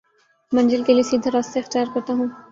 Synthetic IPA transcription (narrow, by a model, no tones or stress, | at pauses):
mɐ̃nd͡ʒəlkeliesiːd̪ʱɾaːst̪eɪxt̪jaːɾkɐɾt̪aɦũː